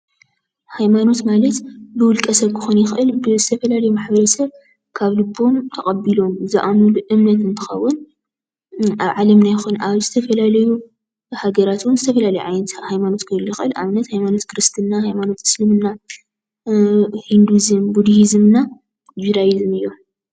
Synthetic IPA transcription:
hajmano̞t̪malɐt̪bɨwʊlkʼɐsɐβɨxunjɪxʔɨlbɨzɨt̪ʰɐfɐlalɐjumaħbɐɾɐsɐβ | kʰaβlɨbːomt̪ʰɐχʼɐbilo̞mzɨʔamuluʔɨmnɐt̪ɨnt̪ʰɨ̥xɐ̰wːʊn | aβʕalɐmnajxunaβzɨt̪ʰɐfɐlalɐju | haɡɐɾat̪wʊnzɨt̪ʰɐfɐlalɐjuʕa̰jnɐt̪hajmano̞t̪kʰɨlujɪxɨlʔa̰mnɐt̪hajmano̞t̪kʰɨɾɨst̪ʰɨnːahajmano̞t̪ɨ̥slɨmɨnːa | hind̪uzɨmbud̪iizɨmna | d͡ʒiɾajizɨmɨjːo

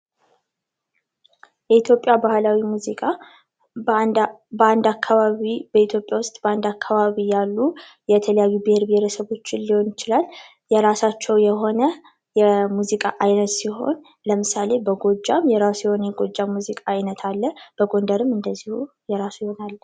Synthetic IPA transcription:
jɛit̪ʰjo̞pʼːjabahlawimuzikʼa | and̪akʰːaβaβibəit̪ʰjo̞pʼjawʊst̪ʼb̥əand̪akʰːaβaβijalːu | jɛt̪ʰələjajːubɪheɾbɪheɾəsəβo̞t͡ʃːɪnliho̞njɪt͡ʃɪlalː | jɛɾasat͡ʃːɛwjɛɦo̞nə | jɛmuzikʼaʔajnət̪siɦo̞̰n | ləmɨsale̞bəɡo̞d͡ʒːamjɛɾasujɛho̞nəjɛɡo̞d͡ʒːamːuzikʼaajnət̪ʰalːəb̥əɡo̞nd̪əɾɨmɨnd̪əzːihu | jɛɾasujho̞nalː

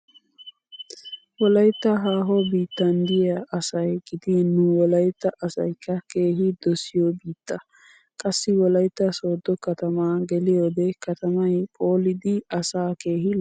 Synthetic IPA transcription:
wɔlɐjt̪ːɐɦaːɦɔbiːt̪ːɐnd̪ɪjɐɐsɐjɡɪd̪ɪnːʊwɔlɐjt̪ːɐʔɐsɐ̰jkːɐke̞ːɦɪd̪ɔsɪjobiːt̪ːɐ | kʼɐsːɪwɔlɐjt̪ːɐsoːd̪ːɔkɐt̪ɐmaːɡɛlɪjoːd̪ɛkɐt̪ɐmɐjpʼo̞ːlɪd̪ɪɐsaːke̞ːhɪ

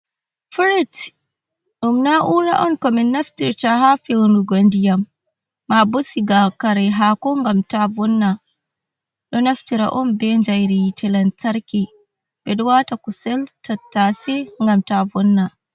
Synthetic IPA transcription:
fuɾit | ɗumnaʔuɾa̰ʔɔnkɔminːaftiɾtaɦafiwnduɡondijamː | abosiɡakaɾɛɦakɔŋɡamtavɔnːa | ɗɔnaftiɾa̰ʔɔnbɛɲd͡ʒajɾitɛlantaɾki | bɛɗuwatakusɛltatːasɛŋɡamtavɔnːa

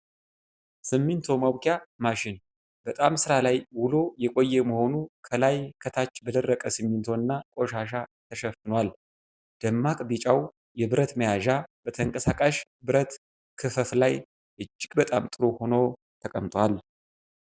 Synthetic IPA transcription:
sɨmːɨnt̪ʰo̞məwkʰjamaʃɪn | b̥ət̪ʼamsɨɾalajwʊlo̞jɛkʼojːɛməho̞nukʰəlajkʰət̪ʰat͡ʃːbəd̪ərːəkʼəsɨmːɨnt̪ʰo̞ɨnːakʼo̞ʃaʃat̪ʰəʃəfːɨnwal | d̪̥əmːakʼbit͡ʃʼaw | jɛbɨɾət̪məjaʒab̥ət̪ʰəŋkʼəsakʼaʃ | bɨɾət̪ | kʰɨfəflaj | ʔɨd͡ʒːɪɡʼbət̪ʼa̰mt̪ʼɨɾo̞ho̞now | t̪ʰəkʼəmt̪ʼwal

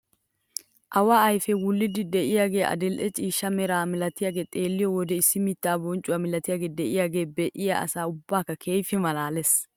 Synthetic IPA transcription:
ʔɐwaɐjfɛwʊlːɪd̪ɪd̪ɛʔɪjaːɡe̞ːʔɐ̰d̪ɛlʔɛt͡ʃʼiːʃːɐmɛɾaːmɪlɐt̪ɪjaːɡe̞ːt̪ʼe̞ːlːɪjɔwɔd̪ɛɪsːɪmɪt̪ːaːbɔnt͡ʃʼʊwamɪlɐt̪ɪjaːɡe̞ːd̪ɛʔɪjaːɡe̞ːbɛʔɪja̰ʔɐ̰saːʊbːaːkːɐkʰeːjfɪmɐlaːlɛs

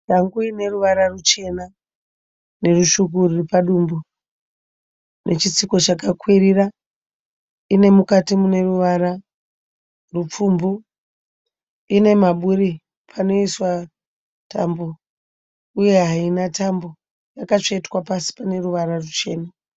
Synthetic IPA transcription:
ʃaŋɡuine̞ruʋaɾarut͡ʃe̞na | ne̞ruʃukuriripaɗumbu | nʔe̞t͡ʃit͡siko̞t͡ʃakakwirira | ine̞mukatimune̞ruʋaɾa | rup͡fumbu | ine̞maɓuɾi | pʰano̞iswa | tʰa̰mbo | uje̞ɦainatambo̞ | jakat͡ʂeitwapasi̥pane̞ruʋaɾarut͡ʃe̞ːna

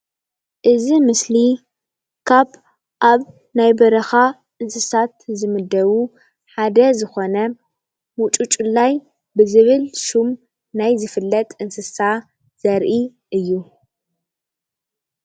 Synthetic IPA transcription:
ʔɨzimɨsli | kʰaβ | ʔaβ | najbɐɾɐxa | ʔɨnsɨsat̪zɨmɨd̪ːɐβu | ħad̪ɐzɨxo̞nɐ | mut͡ʃʼut͡ʃʼulːaj | bɨzɨβɨlʃum | najzɨfɨlːɐt̪ʼɨnsɨsa | z̥ɐɾʔi | ʔɨjːu

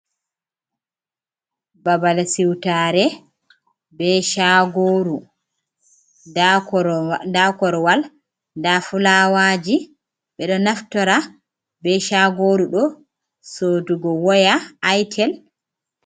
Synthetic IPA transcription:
babalasiwtaɾɛ | bɛʃaɡoɾu | dakɔɾɔwal | ndafulawad͡ʒi | ɓɛɗɔnaftɔɾa | bɛʃaɡoːɾuɗɔ | soduɡɔwɔjaajtʰɛl

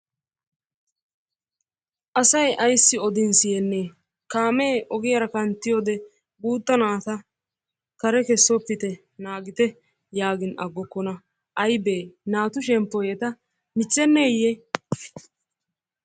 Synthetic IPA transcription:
ʔɐsɐjʔɐjsːɪɔd̪ɪnsɪjɛnːeː | kaːmeːʔɔɡɪjɐɾɐkɐnt̪ːɪjɔːd̪ɛ | buːt̪ːɐnaːt̪ɐ | kɐɾɛkɛsːɔpːɪt̪ɛ | naːɡɪt̪ɛ | jaːɡɪnʔɐ̰ɡːɔkːɔnɐ | ʔɐjbeːnaːt̪ʊʃ̬ɛmpːɔjɛt̪ɐ | mɪt͡sːɛnːeːjɛ

